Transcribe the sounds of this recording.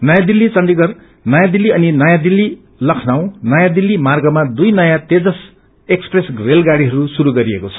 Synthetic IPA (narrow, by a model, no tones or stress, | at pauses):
nʌjãd̪ilːit͡sʌnɖiɡʌr | nʌjãd̪ilːiʌninʌjãd̪ilːi | lʌkʰnaw̃nʌjãd̪ilːimarɡʌmad̪ujnʌjãt̪ed͡zʌs | ekspresɡrelɡaɽiɦʌɾusuɾuɡʌɾiekot͡sʰʌ̥